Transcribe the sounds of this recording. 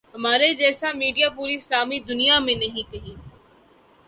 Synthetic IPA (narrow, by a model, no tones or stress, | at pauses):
ɦɐmaːɾed͡ʒɛːsamiːɖijapuːɾiɪslaːmid̪ʊnijamẽnɐɦĩkɐɦĩː